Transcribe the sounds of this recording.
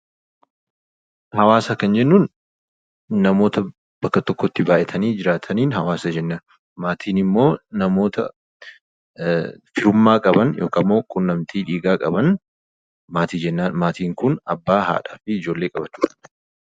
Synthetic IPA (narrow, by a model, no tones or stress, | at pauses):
hɐwaːsɐkɐnd͡ʒɛnːuːn | ɐmo̞ːt̪ɐ | b̥ɐkːɐt̪ɔkːɔt̪ːɪbaːʔɛt̪ʰɐniːd͡ʒɪɾaːt̪ʰɐniːnɦɐwaːsɐd͡ʒɛnːan | maːt̪ʰiːnɪmːo̞ːnɐmo̞ːt̪ɐ̰ | fɪɾʊmːaːkʼɐbɐnjʔoːkɐmːo̞ːkʼʊnːɐmt̪ʰiːᶑiːɡaːkʼɐbɐn | maːt̪iːd͡ʒɛnːaːnmaːt̪iːŋkʊnɐbːaːha̰ːᶑa̰ːfɪɪd͡ʒo̞ːlːe̞ːkʼɐbɐt͡ʃːuːᶑɐ̥